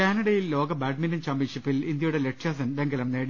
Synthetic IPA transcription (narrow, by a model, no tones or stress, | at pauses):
aːnɐɽɐjjillo̞ːɡɐbaːɖ̚minɐnt͡ɕɐmbiʂipːilind̪jɐjuɽeleʈʂjaːsɐnbeŋɡɐlɐmneːɽi